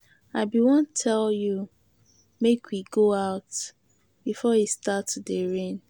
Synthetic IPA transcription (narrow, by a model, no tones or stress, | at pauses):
aɪbiwɔ̃ntʰɛlju | mekʰwiɡoaʊt | b̥ifɔjistatdeɹẽn